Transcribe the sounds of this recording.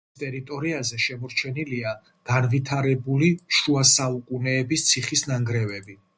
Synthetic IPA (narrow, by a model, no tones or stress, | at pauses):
t̪ʼɛɾit̪ʼɔɾiazɛʃɛmɔɾt͡ʃʰɛnilia | ɡ̥anvit̪ʰaɾɛbuliʃuasaukʼunɛːbist̪sʰiχisnaŋɡɾɛvɛbi